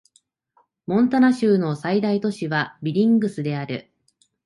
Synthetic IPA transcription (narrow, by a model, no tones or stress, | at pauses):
mõ̞nt̪anaɕɨːno̞said̪ait̪o̞ɕiβabʲiɾʲĩŋɡɯ̟sɨd̪e̞aɾɯ̟̰